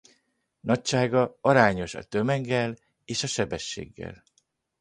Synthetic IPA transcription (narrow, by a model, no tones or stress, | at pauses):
nɒcʃaːɡɒɒɾaːɲo̞ʃɒ̰t̪ømɛŋɡːɛl | eːʃɒʃɛbɛʃːḛːɡːɛ̰l